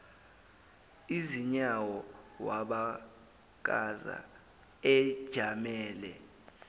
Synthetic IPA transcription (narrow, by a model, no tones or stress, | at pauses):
iziɲawɔwaɓa | k̬a̰za̰ | ɛd̥ʒ̥ʱamɛːlɛ